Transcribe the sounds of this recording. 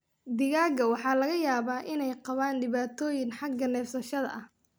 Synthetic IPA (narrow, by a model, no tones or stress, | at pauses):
d̪ɪɣaːɡɐwɑħɑːlɐɣɐjaːβaːʔɪnɛjqɑβaːnɖɪβaːt̪ʰɔːjɪnħɑɡɐnɛːfsɐʃɐðɐ̰ʔɐh